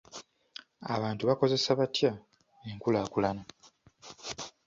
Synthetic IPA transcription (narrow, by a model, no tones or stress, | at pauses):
a̰βaːntuβako̞ze̞saβatja | eŋkulaːkulana